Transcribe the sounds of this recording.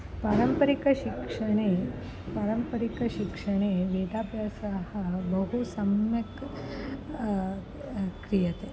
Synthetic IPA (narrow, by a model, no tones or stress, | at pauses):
paːɾɐmpɐɾikɐʃikʂɐɳe | paːɾɐmpɐɾikɐʃikʂɐɽ̃eːʋeːd̪aːpjasɐɦɐbɐɦusɐmjɐk | kɾijɐt̪e